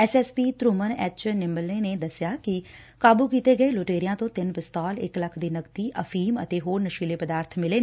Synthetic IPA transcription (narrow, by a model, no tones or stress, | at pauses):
ɛːsɛːspiːt̪ɾuːmənɛːt͡ʃnɪmbəleːneːd̪əsjaːkɪ | kaːbuːkiːt̪eːɡəeːloːʈeːɾɪjãːt̪õːt̪ɪnpɪst̪ɔːlɪ̰kləkʰd̪iːnəkt̪iːʔəfʰiːmə̰t̪eːɦoːɾnəʃiːleːpəd̪aːɾt̪ʰmɪleːnː